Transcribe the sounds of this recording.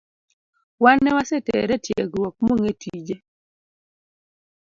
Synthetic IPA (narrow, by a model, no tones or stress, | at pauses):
wanːɛwasɛtḛɾɛtjeɡwok̚moŋetʰid͡ʒe